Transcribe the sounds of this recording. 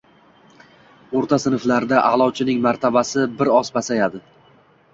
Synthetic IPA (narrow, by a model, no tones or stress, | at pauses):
oɾt̪ʰasɪnɨflaɾd̪aʔalˠɒwt͡ʃʰɪnɪŋmaɾt̪ʰabasɪbɪɾɒsbasajad̪ɪ